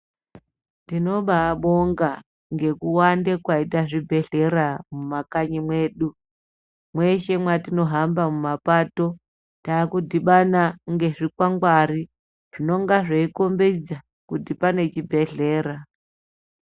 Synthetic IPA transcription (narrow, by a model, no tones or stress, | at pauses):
tino̞ɓaːɓo̞ŋɡa | ŋɡe̞kuwandekwaitaʐibʱe̞ɮe̞ɾamumakaɲimwe̞ːɗu | mwe̞ʃe̞mwatino̞ɦambamumapato̞ | taːkudʱiɓanaŋɡe̞ʐikwaŋɡwaɾi | ʐ̥ino̞ŋɡaʐeiko̞mbed͡za | kudipane̞t͡ʃibʱe̞ɮe̞ːɾa